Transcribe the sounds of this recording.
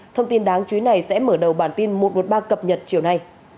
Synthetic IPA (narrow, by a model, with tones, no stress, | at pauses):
t̪ʰə˧wŋ͡mt̪i˧nɗaː˨˦ŋt͡ɕwi˨˦na˨˩jsɛ̰˧˥məː˧˩ɗə˨˩wɓaː˧˩nt̪i˧nmo˨˩t̚mo˨˩t̚ɓaː˧kə˨˩p̚ɲə˨˩t̚t͡ɕi˧˩əwna˧j